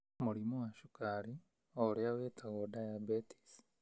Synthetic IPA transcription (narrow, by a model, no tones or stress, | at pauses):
muɾimowaʃukaɾi | oɾeawetʰaɣɔdajabeti̥s